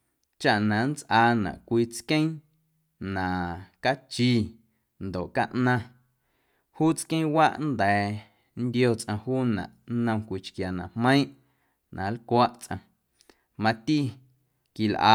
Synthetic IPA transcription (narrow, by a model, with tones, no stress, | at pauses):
t͡ʃa˨ʔnã˨nt͡sʔaː˧nã̰˨ʔkʷiː˧t͡skẽ˦ | nã˨ʔka˦t͡ʃiː˧ | nd̪o˨ʔka˦ʔnã˧ | huː˦t͡skẽ˦wa˦ʔnd̪ɛː˨ | nd̪jo˧t͡sʔã˧huː˦nã̰˨ʔnə̃˧kʷi˧t͡ʃkja˨nã˨hmə̃˦ĩ˦ʔ | nʔã˨˦lkʷa˦ʔt͡sʔã̰˧ | mã˧t̪i˦ | ki˨lʔa̰ː˨˦